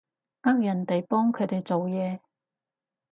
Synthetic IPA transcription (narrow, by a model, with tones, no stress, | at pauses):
ʔaː˥k̚jɐ˨˩nt̪e˨jpɔː˥ŋkʰɵ˨˧˥t̪e˨jt͡so˨wjɛː˨˧